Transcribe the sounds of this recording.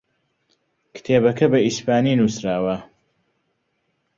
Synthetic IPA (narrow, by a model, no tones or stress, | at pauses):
kt̪ʰeːbɐkʰɐbɐispaːninusɾaːwɐ